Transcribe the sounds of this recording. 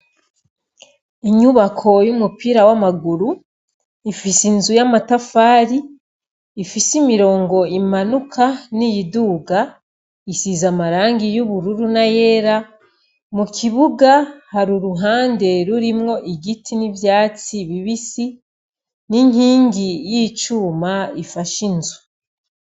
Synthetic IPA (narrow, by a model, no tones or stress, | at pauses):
iɲuβakʰo̞jumupiːɾawamaɡuɾu | ifisinzujamatafaːɾiː | fisimiɾo̞ːŋɡo̞imanukʰanijiduːɡa | isizamaɾaːŋɡijuβuɾuɾunaje̞ːɾa | mukʰiβuɡahaɾuɾuɦaːnde̞ɾuɾimŋo̞ʔiɡitʰinivjaːt͡siβiβisi | niŋiːŋɡijit͡ʃuːmaifaʃinzu̥